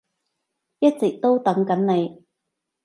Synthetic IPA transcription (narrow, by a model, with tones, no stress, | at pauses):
jɐ˥t̚t͡sɪ˨k̚t̪o˥wt̪ɐ˨˥ŋkɐ˨˥nne˨˧j